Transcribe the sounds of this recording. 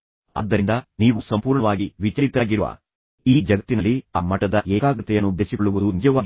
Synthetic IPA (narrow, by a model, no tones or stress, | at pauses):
ɐ̰d̪ːɐɾind̪ɐniːʋusɐmpuːɾɳɐʋaːɡiʋit͡ʃɐɾit̪aːɡiɾuʋɐ̰ | iːd͡ʒɐɡɐt̪ːinɐlːiaːmɐʈɐd̪ɐʔɛːkaːɡɐt̪ːɛjɐnːud̪esikoɭuʋud̪unid͡ʒɐʋaːɡ